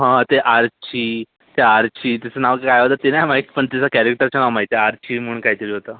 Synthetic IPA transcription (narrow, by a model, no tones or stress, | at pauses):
ɦãt̪eʔaɾt͡ɕiː | t̪eaɾt͡ɕiːt̪isanaʋkkajɦot̪at̪enamaikpəɳt̪isakɛɾek̚ʈəɾt͡ɕanaʋmaɦit̪eaɾt͡ɕiːm̤ənkaɦit̪əɾiːɦot̪a